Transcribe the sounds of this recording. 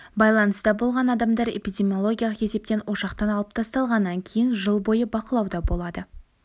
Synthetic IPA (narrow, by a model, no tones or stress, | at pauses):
bɑjlˠɑnəst̪ɑbo̞lˠʁɑnɑd̪ɑmd̪ɑɾḛpijdʲe̞mʲiolˠo̞ɡʲijaɑlˠəqe̞se̞p̚t̪e̞nwo̞ʃɑqt̪ɑnɑlˠəp̚t̪ʰɑst̪ɑlˠʁɑnːɑŋkʲʰe̞jɪnʒəlˠbo̞jəbɑqəlˠɑwd̪ɑbo̞lˠɑd̪ə